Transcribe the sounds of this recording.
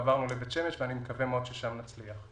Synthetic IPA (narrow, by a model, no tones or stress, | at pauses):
vaʁnuledaʃe̞meʃveanimekavemeo̞dʃeʃamnat͡sliaχ